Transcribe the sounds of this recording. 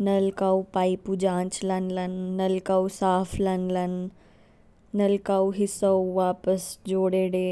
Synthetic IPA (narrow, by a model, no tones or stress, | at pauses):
nɐlkaupaːipud͡ʒãːt͡ʃlɐnlɐnːɐlkausaːfʰlɐnlɐn | nɐlkawɦɪsɐwʋaːpəsd͡ʒoːɽeɽeː